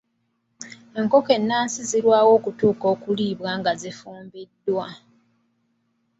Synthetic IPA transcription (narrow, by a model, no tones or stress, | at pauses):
e̞ŋko̞ke̞nːaːnsiziɾwaːwo̞ːkutuːko̞ːkuliːβwaːŋɡazifuːmbidːwa